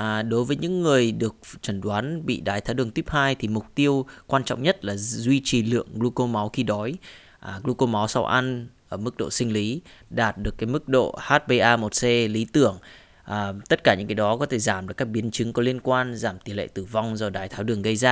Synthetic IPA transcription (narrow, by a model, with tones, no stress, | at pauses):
ʔːɗo˨˦jvəː˨˦jɲɨ̰˧˥ŋːɨ˨˩əjɗɨ˨˩ək̚t͡ɕə˧˩nɗwaː˨˦nɓḭ˧˨ɗaː˨˩jt̪ʰaː˨˦wɗɨ˨˩əŋt̪i˦˥p̚haː˧jt̪ʰi˨˩mʊ˨˩k͡p̚t̪i˧əwkwaː˧nt͡ɕɔ̰˧˨wŋ͡mɲə˦˥t̚laː˨˩zwi˧t͡ɕi˨˩lɨ̰˧˨əŋɣlu˧ko˧ma˨˦wxi˧ɗɔ˨˦j | ʔɣlu˧ko˧mɔ˨˦wsa˧wʔa˧nʔəː˧˩mɨ˦˥k̚ɗo̰˧˨sï˧ŋ̟li˨˦ɗaː˨˩t̚ɗɨ˨˩əkːaː˨˦jmɨ˦˥k̚ɗo̰˧˨haː˦˥t̚ɓe˧ʔaː˧mo˨˩t̚se˧li˨˦t̪ɨ˧˩əŋ | ʔːt̪ə˦˥t̚kaː˧˩ɲɨ̰˧˥ŋkaː˨˦jɗɔ˨˦kɔ˨˦t̪ʰe˧˩zaː˧˩mɗɨ˨˩əkaː˦˥k̚ɓi˨˦ənt͡ɕɨ˨˦ŋkɔ˨˦li˧ənkwaː˧nzaː˧˩mt̪i˨˩nlḛ˧˨t̪ɨ˧˩va˧wŋ͡mzɔː˨˩ɗaː˨˩jt̪ʰaː˨˦wɗɨ˨˩əŋɣə˧jzaː˧